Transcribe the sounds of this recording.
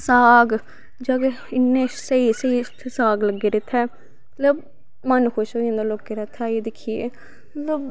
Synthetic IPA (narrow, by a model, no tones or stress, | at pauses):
saːɡ | d͡ʒaːke | ɪnːẽːsəiːsəiːt̪ʰːsaːɡləɡːeːɾeːt̪ʰɛː | mət̪ləb | mənkʰoʃoːẽːnd̪aloːkːeɾɛt̪ʰːaːed̪ɪkʰːijeː | mət̪ləb